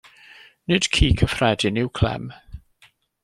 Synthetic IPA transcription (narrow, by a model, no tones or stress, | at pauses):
nɨd̥kʰiːkʰəfrɛdɪnɪwkʰlɛ̰m